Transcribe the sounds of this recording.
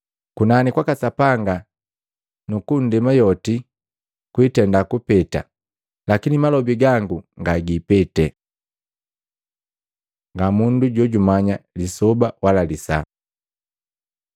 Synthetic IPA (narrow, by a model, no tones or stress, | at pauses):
kunanikwakasapaŋɡa | nukun̩dimajɔti | kwitɛndakupɛta̰ | lakinimalɔbiɡaŋɡuŋɡaɡipɛtɛ | ŋɡamunduɟɔɟumaɲalisɔbawalalisa̰